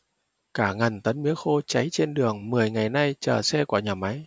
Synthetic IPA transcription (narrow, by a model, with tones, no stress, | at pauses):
kaː˧˩ŋə˨˩nt̪ə˨˦nmḭ˧˥əxo˧t͡ɕa˨˦jt͡ɕe˧nɗɨ˨˩əŋmɨ˨˩əjŋa˨˩jna˧jt͡ɕəː˨˩sɛ˧ku˧˩ɲaː˨˩ma˨˦j